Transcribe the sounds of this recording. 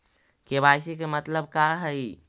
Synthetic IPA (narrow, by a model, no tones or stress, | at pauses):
kebajsikemət̪ləb̚kaɦəj